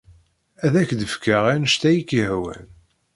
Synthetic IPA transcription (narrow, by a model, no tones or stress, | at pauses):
æðækd̪əfkaʁænəʃt̪æjikːihwæ̰n